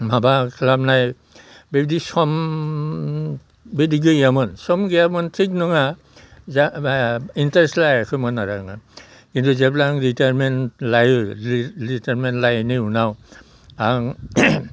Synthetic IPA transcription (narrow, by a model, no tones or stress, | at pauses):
mabakʰlamnaj | bebdisɔm | bediɡɯamɔnsɔmɡejamɔntʰik̚nɔŋa | za | intaɹɛslajakʰɔmɔnːaɾaŋa | kintuzɛplaŋɹitamɛnlaj | litɛɹmɛntlajneunaw | aŋ